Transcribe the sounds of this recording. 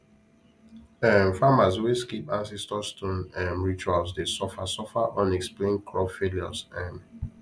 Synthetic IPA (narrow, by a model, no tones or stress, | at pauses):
ɛ̃nfamasweskipãnsɛstɔstɔ̃nãnɹit͡ʃualsdesɔfasɔfaʔɔ̃nɛksplẽnkʰɹɔpfeljɔsɛ̃n